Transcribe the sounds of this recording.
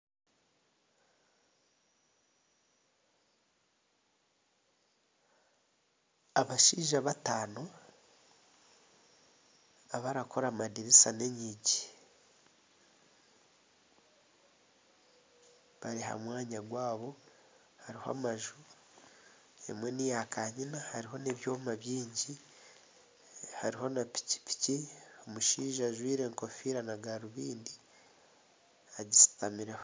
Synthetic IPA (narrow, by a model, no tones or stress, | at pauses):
aβaʃiːʒaβataːno | aβaɾakʰo̞ɾamadiɾisane̞ɲiɟi | βaɾiɦa̰mwaːɲaɡwaːβo̞ | haɾihoa̰maʒu | emwe̞nijakaɲinahaɾiɦo̞neβjo̞ːmaβjiːɲɟi | haɾiho̞napi̥ci̥pi̥ciomuʃiːʒaʒwiːɾe̞ŋko̞fiɾanaɡaɾuβiːndi | aɟisi̥tamiɾeho